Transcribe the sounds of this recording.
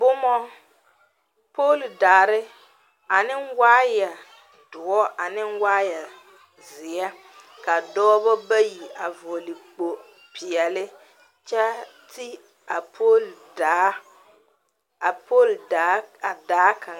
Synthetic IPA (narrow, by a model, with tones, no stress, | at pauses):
bʊ˦mɔ˦ | poː˦˨ldaː˨ɾɪ˦ | a˨nɪ˦ŋwaː˦ja˨ | d̥ʊ˨ɔ˦ʔa˨nɪ˦nwaː˦ja˨ | zɪ˨ɛ˦ | ka˨dɔː˦bɔ˦ba˦ji˨a˨vo˨lɪ˨k͡po˨ | pʰɪ˨ɛ˨lɪ˦ | t͡ʃɛ˦ti˦ | a˨pʰo˦ldaː˨˦ | a˨po˦˨l | a˨daː˨˦ka˨